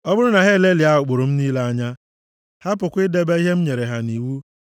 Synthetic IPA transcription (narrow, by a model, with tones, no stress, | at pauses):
ɔ˦bʊ˦ɾʊ˦na˨ɦe˦˨le˦li˨a˦ɦʊ˨k͡pʊ˨ɾʊ˨m̩˦niː˦le˦a˦ɲa˦ | ha˦pʊ˨kʷɪ˦de˦be˦i˦ɦe˦m̩˦ɲe˨ɾe˨ɦa˨ni˨wu˦